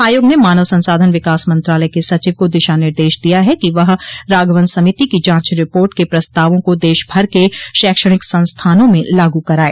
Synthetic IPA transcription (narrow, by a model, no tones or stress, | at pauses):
aːjoːɡnemaːnəʋsɐ̃nsaːd̪ʱənʋɪkaːsmɐ̃nt̪ɾaːləekesɐt͡ʃiːʋkod̪ɪʃanɪɾd̪eːʃd̪ijaɦɛkiʋɐɦɾaːɡʋənsɐmit̪ikid͡ʒãːt͡ʃɾɪpoːɾʈkepɾɐst̪aːʋõkod̪eːʃbʱɐɾkeʃɛːkʃəɽ̃ɪksɐ̃nst̪ʰaːnõmẽlaːɡukɐɾaːḛː